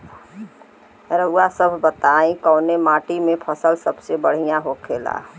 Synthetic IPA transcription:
ɾəʊasəbʱbət̪aĩkəʊnemaːʈimẽpʰəsəlsəbsebəɽ̤ijãɦokʰeːla̰

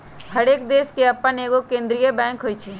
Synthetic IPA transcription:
ɦɐɽeːk̚d̪eːskeɐpːəneːɡokẽːnd̪ɾijəbɛ̃ːŋkɦoːit͡ʃʰiː

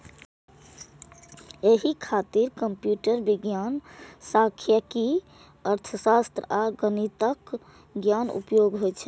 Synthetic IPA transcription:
eɦikʰat̪iɾkəmpjuʈəɾbiɡjansakʰjəki | əɾt̪ʰəsast̪ɾəaɡənit̪ək | ɡjanṵpjoɡɦojt͡ʃʰɛ

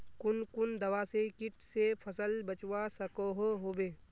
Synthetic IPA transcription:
kʊnkʊnd̪ɐwasekɪʈsepʰəsəlbət͡ʃwasɐkoɦoɦoːbeː

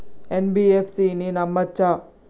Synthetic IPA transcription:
enbiefsininɐmːɐt͡ɕa

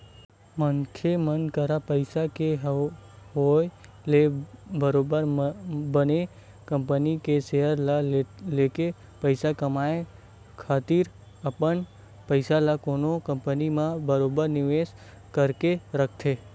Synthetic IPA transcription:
mənkʰemənkəɾapəjsakeɦɦoj | lebəɾobəɾmbəne | kəmpənikeʃeɦəɾlleke | pəjsakəmae | kʰat̪iɾ | əpəɳ | pəjsalakonokəmpənimãbəɾobəɾniʋes | kəɾkeɾək̚ʰt̪ʰe

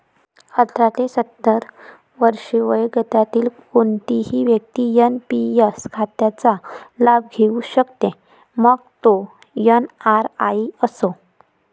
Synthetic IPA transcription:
ət̪ʰɾat̪esət̪ːəɾ | ʋəɾʂeʋəjɡət̪at̪iːlkont̪iɦiːʋjək̚t̪iːjənpijəskʰat̪jat͡salabɡʱeuɕəkt̪e | məɡt̪o | jənaɾaiəso

